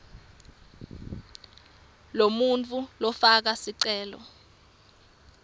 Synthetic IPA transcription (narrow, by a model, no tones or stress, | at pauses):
lomunt͡fʰʼulɔfak̬asiǀɛːlɔ̰